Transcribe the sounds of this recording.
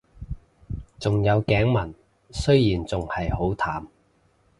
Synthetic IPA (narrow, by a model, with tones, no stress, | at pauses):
t͡sʊ˨ŋjɐ˨˧wkɛː˨˥ŋmɐ˨˩n | sɵ˥ɥjiː˨˩nt͡sʊ˨ŋhɐ˨jho˨˥wt̪ʰaː˨˩m